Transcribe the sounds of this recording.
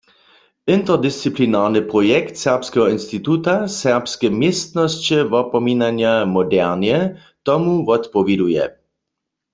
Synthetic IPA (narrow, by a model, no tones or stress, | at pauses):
ɪnt̪ɛʁd̪ɪst͡siplinaːʁnɨpʁɔjɛkt̪sɛʁpskɛɦɔinst̪it̪ut̪asɛʁpskɛmjɛst̪nɔst͡ɕɛvɔpɔmiːnanjamɔdɛʁnjɛ | t̪ɔmuvɔt̪pɔvjɛd̪ujɛ̰